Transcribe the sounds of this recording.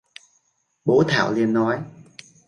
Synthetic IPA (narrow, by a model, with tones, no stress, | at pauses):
ɓo˨˦t̪ʰa̰ː˧˩˨wli˧ənːɔ˨˦j